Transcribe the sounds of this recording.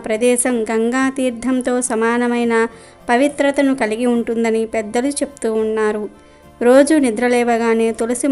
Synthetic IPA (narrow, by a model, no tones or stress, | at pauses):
pɾɐd̪ɛːʃɐmɡɐŋɡaːt̪iːɾd̪ʱɐmt̪o̞ːsɐmaːnɐmɐjnɐ | pɐʋit̪ɾɐt̪ɐnukɐliɡiuɳʈund̪ɐnipɛd̪ːɐlut͡ʃe̞pu̥t̪uːnːaːɾu | ɾo̞ːd͡ʒunid̪ɾɐlɛːʋɐɡaːne̞ːt̪olisi